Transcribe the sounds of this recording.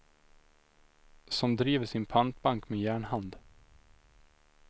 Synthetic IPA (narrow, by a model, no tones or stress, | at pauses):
sɔmd̪ɾiːvəʂɪnpʰant̪̚baŋkmeːjæːɳhand̪